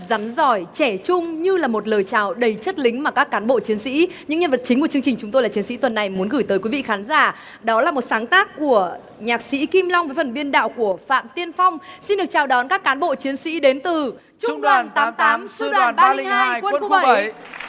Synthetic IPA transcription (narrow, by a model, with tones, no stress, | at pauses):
za˨˦nzɔ˧˩jt͡ɕɛ˧˩t͡ɕʊ˧ŋ͡mɲɨ˧laː˨˩mo˨˩t̚ləː˨˩jt͡ɕaː˨˩wɗə˨˩jt͡ɕə˦˥t̚lï˨˦ŋ̟maː˨˩kaː˦˥kːaː˨˦nɓo̰˧˨t͡ɕi˨˦ənsḭ˧˥ɲɨ̰˧˥ŋɲə˧nvə˨˩t̚t͡ɕï̟˨˦ku˧˩ət͡ɕɨ˧əŋt͡ɕi˨˩ŋ̟t͡ɕʊ˨˦ŋ͡mt̪o˧jlaː˨˩i˨˦ənsḭ˧˥t̪wə˨˩nːa˨˩jmu˨˦nɣɨ˧˩jt̪əː˨˦jkwi˨˦vḭ˧˨xaː˨˦nzaː˧˩ | ɗɔ˨˦laː˨˩mo˨˩t̚saː˨˦ŋt̪aː˦˥kːu˧˩ə | ɲaː˨˩k̚sḭ˧˥ki˧mlɔ˧wŋ͡mvə˨˦jfə˨˩nɓi˧ənɗa̰ː˧˨wku˧˩əfa̰ː˧˨mt̪i˧ənfa˧wŋ͡msi˧nɗɨ˨˩ət͡ɕaː˨˩wɗɔ˨˦nkaː˦˥kːaː˨˦nɓo̰˧˨t͡ɕi˨˦ənsḭ˧˥ɗe˨˦nt̪ɨ˨˩ | t͡ɕʊ˦˧ŋ͡mɗwaː˨˩nt̪ːmt̪aː˨˦msɗwaː˨˩nɓa˧ŋhːjkɓə˧˩